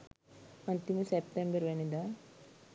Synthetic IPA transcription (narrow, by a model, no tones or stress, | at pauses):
ɐnt̪imusepʈẽmbəɾʋɐnid̪a